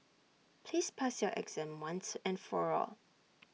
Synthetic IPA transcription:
pʰlispʰasjɔʔɛ̰ɡz̥ɛ̃mwãnsɛ̃nfɔɹɔ̰l

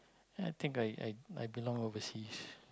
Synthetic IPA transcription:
ajt̪ʰɪ̃ŋkajʔa̰ja̰jbilɔ̃ŋovəsis

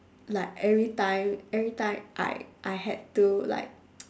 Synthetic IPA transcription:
laɪkɛvɹitãɪ̃mɛvɹitãɪ̃mʔa̰ɪʔaɪhɛ̰d̚tula̰ɪk̚

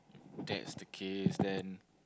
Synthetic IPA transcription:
dɛ̰tsdəkʰesdɛ̃n

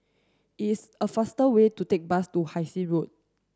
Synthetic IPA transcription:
is | əfastəwetutek̚bastuhaɪsiɹot̚

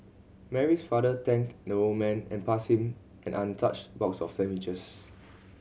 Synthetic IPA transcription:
mɛɹisfadətɛ̃ŋkdəomɛ̃nɛ̰̃npashĩm | ʔɛ̃nʔãntʰat͡ʃbɔksɔfsɛ̃mit͡ʃəs

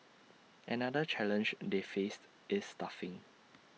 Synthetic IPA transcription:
ʔɛnadət͡ʃɛlə̃nd͡ʒdefest | ʔɪsːtafɪ̃ŋ

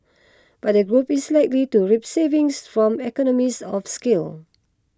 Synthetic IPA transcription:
b̥at̚dəɡɹupislaɪklituɹip̚sevĩŋsfɹɔ̃mɛkɔnɔmisɔfskil

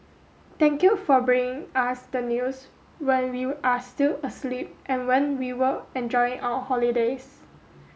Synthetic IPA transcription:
t̪ɛ̃ŋkjufɔbɹĩŋɪ̃ŋasdənjus | wɛ̃nwiʔastiləslip̚ʔɛ̃nwɛ̃nwiwəɛ̃nd͡ʒɔɪɪ̃ŋʔawəhɔlides

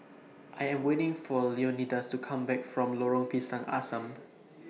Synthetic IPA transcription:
ʔajɛ̃mwetɪ̃ŋfɔlionidəstukʰãmbɛkfɹɔ̃mloɹɔ̃ŋpʰisãŋʔa̰sə̃m

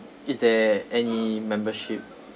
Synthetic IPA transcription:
isdɛɛnimɛ̃mbəʃip̚

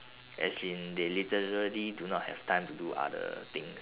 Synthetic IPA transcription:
ʔɛsĩndelitəɹəlidunɔt̚hɛ̰v̥tʰãɪ̃mtuduʔa̰də̰t̪ɪ̃ŋs

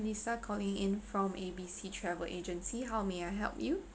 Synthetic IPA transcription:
nisakʰɔlɪ̃ŋɪ̰̃nfɹɔ̃mebisitʰɹɛvə̰lʔed͡ʒə̃nsiɦaʊmeaɪɦɛ̰lˠpju

